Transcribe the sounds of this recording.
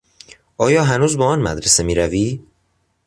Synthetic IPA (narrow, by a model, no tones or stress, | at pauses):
ʔɒːjɒːɦænuːzbɒːɒːnmæ̰d̪ɾese̞miːɾæviː